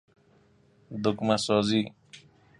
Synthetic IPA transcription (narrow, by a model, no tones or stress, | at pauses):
d̪ʊkmasɔːziː